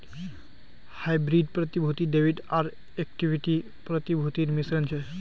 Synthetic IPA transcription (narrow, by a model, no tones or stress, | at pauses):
hajbɾiɖpɾət̪ibʱut̪iɖeʋiɖaɾ | ek̚ʈiʋiʈi | pɾət̪ibʱut̪iːɾmisɾənt͡ʃʰe